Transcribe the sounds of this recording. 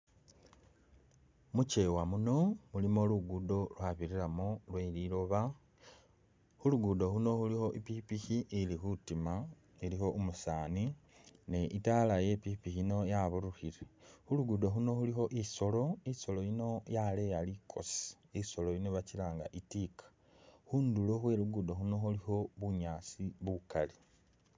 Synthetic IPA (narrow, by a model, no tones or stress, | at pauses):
muce̞wamuno̞mulimo̞luɡudo̞lwaβiɾiɾamolwelilo̞βa | xuluɡudo̞huno̞xulixo̞ʔipipiçiilixutima | ilixo̞ʔumusaːnineʔitalaje̞pipixino̞jaβuɾuxiɾexuluɡudoxuno̞xulixo̞ʔiso̞lo̞iso̞lo̞jino̞jalejalikʰo̞̰si̥ | iso̞lo̞jinoβacilaːŋɡa̰ʔitikḁ | xuːnduloxwe̞ɾuɡudoxuno̞xulixo̞βuɲaːt͡siβukali